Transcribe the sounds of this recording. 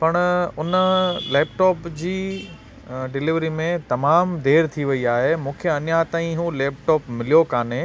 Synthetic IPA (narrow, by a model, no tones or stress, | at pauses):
pɐɽ̃ʊnəleːpʈɔːpd͡ʑiː | ɖɪlɪʋɾimẽt̪ɐmaːmd̪ʱeːɾt̪ʰiʋɐiaːɦemũːkʰeɐnjat̪aːĩɦũleːp̚ʈɔːpmɪlijokaːne